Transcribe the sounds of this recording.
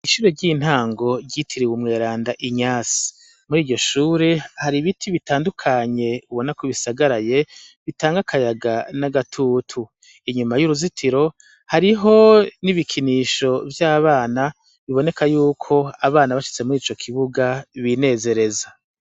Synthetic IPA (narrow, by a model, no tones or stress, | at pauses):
iʃuːɾe̞ɾɟiːn̥haːŋɡo̞ɾɟitʰiɾiwumŋe̞ːɾaːndaʔiɲaːsi̥ | muɾiːɟo̞ʃuːɾe̞haɾiβitʰiβitaːndukʰaɲe̞uβo̞nakwiβisaɡaɾaje̞βitaːŋɡakʰajaɡanaɡatʰuːtʰu | iɲumajuɾuzitʰiɾo̞ | haɾiɦo̞niβikʰiniːʃo̞vjaːβaːna | βiβo̞ne̞kʰajuːkʰo̞aβaːnaβaʃi̥t͡se̞muɾiːt͡ʃo̞kʰiβuɡaβine̞ːze̞ɾe̞za